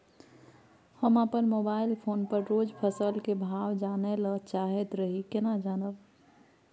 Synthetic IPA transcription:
həmapənmoːbaːɪlpʰoːnpəɾɾoːd͡ʒpʰəsəlkebʱaːwd͡ʒaːnelət͡ʃaːɦet̪ɾəɦikɪnad͡ʒaːnəb

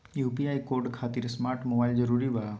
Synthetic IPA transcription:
jupiaikoɾɖkʰat̪iɾsmaɾʈmobaild͡ʒəɾuɾiʋa

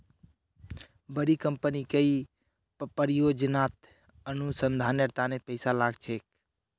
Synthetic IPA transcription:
bəɾikəmpənikei | pəɾijod͡ʒənat̪ | ənusənd̪ʱanəɾt̪anepəɪsalaɡt͡ʃʰek̚

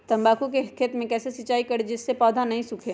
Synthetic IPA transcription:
t̪ɐ̃mbaːkũkeɦɪk̪ʰijət̪mẽkɛːsesɐt͡ʃaːikɐɽed͡ʒɪsːepɔːd̪ʱanɐɦĩsʊkʰeː

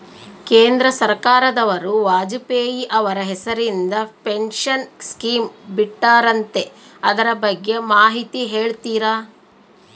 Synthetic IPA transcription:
keːnd̪ɾɐsɐɾkaːɾɐd̪ɐʋɐɾuʋaːd͡ʒupeːjiʔɐʋɐɾɐɦɛsɐɾind̪ɐpeɳʃɐnskiːmbiʈːaːɾɐnt̪e̞ɐd̪ɐɾɐbɐɡːe̞maːɦit̪iɦe̞ːɭt̪iːɾaː

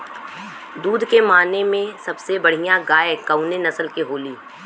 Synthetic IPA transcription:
d̪uːd̪ʱkemaːnemẽsɐbsebɐɽ̤ijãɡaːekəʊnenɐsəlkeɦoːliː

